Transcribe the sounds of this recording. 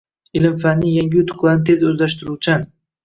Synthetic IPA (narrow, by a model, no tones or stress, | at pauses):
ɪlɪmfanːɪŋjaŋɡʲɪʊt̪ʰʊ̥qlˠaɾnɪt̪ʰe̞zɵzlaʃt̪ɪɾuwt͡ʃʰan